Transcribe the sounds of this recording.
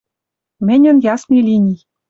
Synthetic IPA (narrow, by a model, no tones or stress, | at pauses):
mɘ̆nʲɘ̆njɑsmʲilʲinʲij